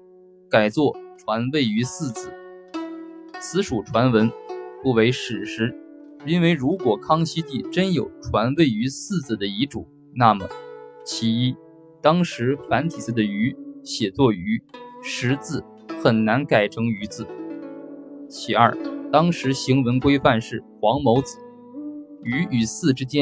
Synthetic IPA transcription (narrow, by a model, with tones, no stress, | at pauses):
ka˨˩ɪt͡swɔ˥˩ʈ͡ʂʰwa˧˥nwe˥˩ɪy˧˥sɹ̩˥˩t͡sɹ̩˥˩ | t͡sʰɹ̩˧˥ʂu˨˩ʈ͡ʂʰwa˧˥nwə˧˥nfu˥˩we˧˥ɪʂɻ̩˨˩ʂɻ̩˧˥ | i˥nwe˥˧˩ɪɻu˧˥kwɔ˨˩kʰɑ˥ŋɕi˥t̪i˥˩ʈ͡ʂə˥njo˨˩ʊʈ͡ʂʰwa˧˥nwe˥˩ɪy˧˥sɹ̩˥˧t͡sɹ̩˨˩d̪ə˩i˧˥ʈ͡ʂṵ˨˩˦ | na˥˩mə̰˩t͡ɕʰi˧˥i˥ | t̪ɑ˥ŋʂɻ̩˧˥fa˧˥nt̪ʰi˨˩t͡sɹ̩˥˩d̪ə˩y˧˥ɕjɛ˨˩t͡swɔ˥˩y˧˥ʂɻ̩˧˥t͡sɹ̩˥˩ | xə˨˩nna˧˥nka˨˩ɪʈ͡ʂʰɤ˧˥ŋy˧˥t͡sɹ̩˥˩ | t͡ɕʰi˨˩ɐ̰˞˥˩t̪ɑ˥ŋʂɻ̩˧˥ɕi˧˥ŋwə˧˥nkwe˥ɪfa˥˧nʂɻ̩˥˩xwɑ˧˥ŋmo˧˥ʊt͡sɹ̩˨˩˦ | y˧˥y˨˩sɹ̩˥˩ʈ͡ʂɻ̩˥t͡ɕjɛ˥n